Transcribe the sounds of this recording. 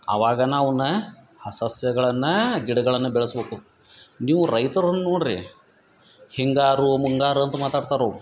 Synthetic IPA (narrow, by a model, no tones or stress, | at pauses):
ɐ̰ʋaːɡɐnaːʋɐnːɐ | ɐsɐsjɐɡɐɭɐnːɐɡiɽɐɡɐɭɐnːɐbɛɭɐsbeːku | niːʋuɾɐjt̪ɐɾɐnːɐnoːɽɾḭ | hiŋɡaːɾumuŋɡaːɾuɐnt̪ɐmaːt̪aːɖt̪aːɾou